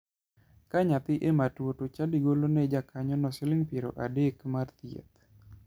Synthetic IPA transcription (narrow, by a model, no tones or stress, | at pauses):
kaɲat̪ɪʔematwotot͡ʃadiɡolonɛd͡ʒakʰaɲɔnɔsɪlɪŋpiɾo̰ʔadekmart̪jḛt̪